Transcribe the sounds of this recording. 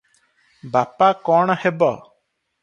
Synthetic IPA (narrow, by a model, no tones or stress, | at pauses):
bapakɔɳ̃hebɔ